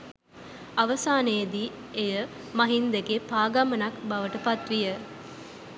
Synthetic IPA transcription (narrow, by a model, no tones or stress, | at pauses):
ɐʋəsaːnejd̪i | ejə | mɐɦind̪eɡepaːɡamənakbɐʋəʈəpat̪ʋijə